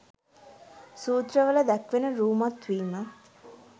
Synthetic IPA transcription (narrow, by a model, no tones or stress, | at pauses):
suːt̪rəʋələd̪ækʋenəɾuːmat̪ʋiːmə